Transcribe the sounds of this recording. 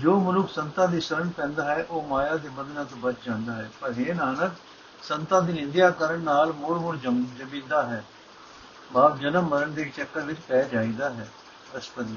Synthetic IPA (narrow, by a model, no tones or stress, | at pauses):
d͡ʒoːmʊlʊksənt̪ãːd̪iːsəɾəɳpɛ̃ːnd̪aːɦɛːʔoːmaːjaːd̪eːbəd̪nãːt̪obət͡ʃd͡ʒãːnd̪aːɦɛːpəɾɦeːnaːnək | sənt̪ãːd̪iːnɪnd̪jaːkəɾəɳnaːlmʊɽmʊɽd͡ʒəmd͡ʒəmĩːnd̪aːɦɛː | baːp̚d͡ʒənəmːəɾəɳd̪eːkt͡ʃɛkːəɾʋɪt͡ʃpɛːd͡ʒaːiːd̪aːɦɛː | əspəɾi